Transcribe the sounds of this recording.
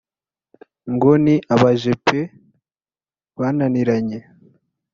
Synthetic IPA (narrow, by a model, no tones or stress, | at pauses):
ŋɡoniʔaβaʒepʰe | βananiɾaɲe